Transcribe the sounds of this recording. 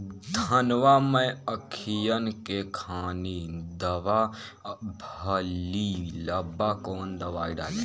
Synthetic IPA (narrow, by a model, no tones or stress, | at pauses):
d̪ʱənʋamə̃əkʰijənkekʰaːnid̪əʋa | bʱəliləbakoːnd̪əʋaːiɖa̰ːli